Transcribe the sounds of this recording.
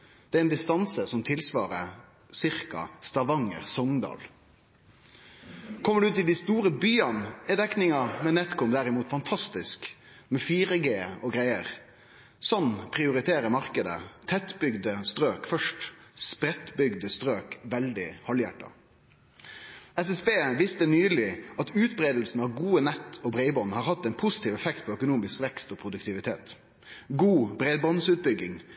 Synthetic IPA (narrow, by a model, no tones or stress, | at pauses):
d̪̥ɛæɾɛnd̪ɪst̪ɑnsəsɔmt̪ʰɪlsʋɑːʁə | sɪʁkɑ̰st̪ɑʋɑŋə̰ʁsɔŋd̪ɑ̰ːl | kʰɔmːəɖʉʉːt̪ːɪld̪ɪst̪uːɾəbyːɑnɛd̪ɛknɪŋɑmɛnɛt̪kʊmd̪æʁɪmuːt̪fɑnt̪ʰɑst̪ɪsk | mɛfiːɾəɡeːɔɡʁæɪəʁ | sɔnːpʰʁɪʊɾɪt̪ʰeːɾəmɑʁkəd̪ə̰t̪ʰɛt̪bʏɡd̪əst̪ɾøːkfœʂʈspɾɛt̪bʏɡd̪əst̪ɾøːkʋɛld̪ɪhɑljæ̰ʈːɑ̰ | ɛsɛsbeːʋɪst̪ənyːlɪɑt̪ʉːt̪bɾeːd̪l̩sn̩ɑʋɡuːənɛt̪ːɔbɾæɪbɔnhɑːʁhɑt̪ːɛɪnpʰʊsɪ̥t̪ʰiːʋɛfɛkt̪̚pʰɔœkʊnuːmɪskʋɛkst̪ɔːpʰɾʊd̪ʉkt̪ʰɪʋɪt̪ʰḛːt̪ | ɡuːbɾeːd̪bɑnsʉːt̪̚bʏɡɪŋ